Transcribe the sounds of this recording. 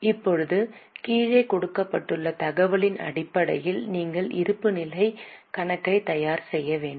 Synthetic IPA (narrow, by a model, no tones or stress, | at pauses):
ɪpːɔɻɯðɯkiːɻɐɪkɔɽɯkːɐpːɐʈːɯɭːɐt̪ɐɣɐʋɐɭɪnɐ̰ɽɪpːɐɽɐ̰jɪlniːŋɡɐɭʔɪ̰ɾɯpːɯnɪlɐɪkɐɳɐkːɐɪt̪ɐjaːɾsɛjːɐʋeːɳɖɯm